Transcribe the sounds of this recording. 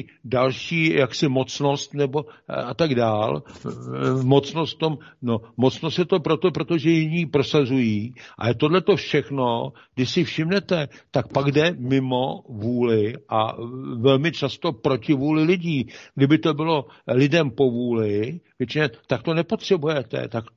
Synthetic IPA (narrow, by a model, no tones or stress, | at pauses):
dalʃiːjaksɪmo̞t͡sno̞st̪nɛbo̞at̪aɡdaːl | mo̞t͡snost̪t̪t̪o̞mno̞mo̞t͡snost̪jɛt̪o̞pɾo̞t̪o̞pɾo̞t̪o̞ʒɛjɪɲiːpɾo̞sazujiːʔa̰jɛt̪o̞dlɛt̪o̞fʃɛxno̞ | ɡdɪʃsɪfʃɪmnɛt̪ɛt̪ak̚paɡdɛmɪmo̞vuːlɪʔa̰vɛlmɪt͡ʃast̪o̞pɾo̞cɪvuːlɪlɪɟiːɡdɪbɪt̪o̞bɪlo̞ | lɪdɛmpo̞vuːlɪvjɛt͡ʃɪɲɛt̪akt̪o̞nɛpo̞t̪r̝̥ɛbujɛt̪ɛ̰t̪ak